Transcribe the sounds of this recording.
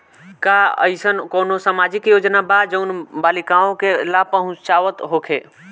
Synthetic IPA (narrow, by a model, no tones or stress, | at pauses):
kaə̰ɪsənkoːnosaːmaːd͡ʒɪkjoːd͡ʒnabad͡ʒəʊnbaːlɪkaːõkeɪlaːpəɦʊ̃t͡ʃaːʋət̪ɦokʰeː